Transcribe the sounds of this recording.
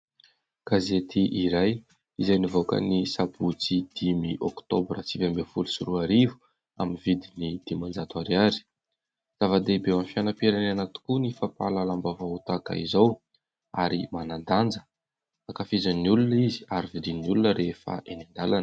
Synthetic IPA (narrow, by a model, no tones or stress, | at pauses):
ɡ̥azet̪ʰiʔiɾaj | izajnivokə̰nisabut͡sid̪̥imiʔɔkt̪obrat͡sivambefulusuɾuaɾivu̥ | a̰minvid̪inid̪̥imand͡zat̪uaɾiaɾi̥ | z̥avad̪ebewanfianapiɾananat̪u̥kunifapa̰lalambavaut̪aka̰ḭzaw | a̰ɾimanand̪and͡zə̥ | akafizanːiulunizi̥aɾivid̪innulunəɾefa̰ʔenind̪alanə̥